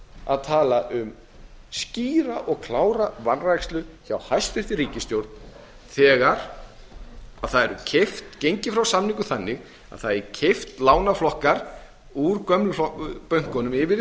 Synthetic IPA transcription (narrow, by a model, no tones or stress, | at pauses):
a̰ðt̪ʰaːlaʔʏm | sciːɾaʔɔɣkʰlaːwɾavanrajkst̪lʏçawhajst̪fɪft̪ɪɾiːcɪst̪jowɾt̪̚n | θɛːɣaɾ̥ | aðθaðɛɾʏ̰cʰɪft̪cejɲcɪfɾawsamniŋkʏθanːɪɣ | a̰ðθaðɛɾcʰɪft̪laːwnaflɔhkaɾ̥ | uɾkœmlʏfɔpœɥŋ̥kɔnʏmɪvɪ